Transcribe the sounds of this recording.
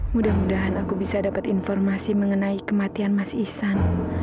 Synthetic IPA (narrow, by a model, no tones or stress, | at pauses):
mudahmudaɦanakubisadapat̪infɔrmasiməŋənaikəmat̪ianmasisan